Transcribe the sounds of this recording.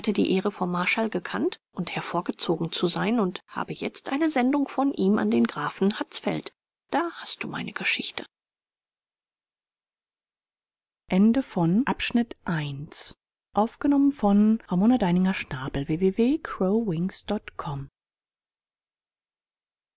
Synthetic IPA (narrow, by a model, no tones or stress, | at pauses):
hatədḭːʔeːʁəfɔnmaɐʃalɡəkʰantʔʊnthɛɐfoːɐɡət͡soːɡŋ̩t͡suzaɪnʊntha̰ːbəjɛ̰t͡stʔaɪnəzɛndʊŋfɔnʔiːmʔa̰ndeːnɡʁaːfn̩hat͡sfɛ̰lt | d̥aːhast̚d̥ṵːma̰ɪnʔəɡ̥əʃɪçtʰə | ʔɛndəfɔnʔapʃnɪtʔaɪns | ʔaʊfɡ̥ənɔmənfɔnʁamoːnadaɪnɪŋɐʃnaːbl̩veːveːveːkʰʁ̥oʊwɪŋsd̥ɔtkʰɔm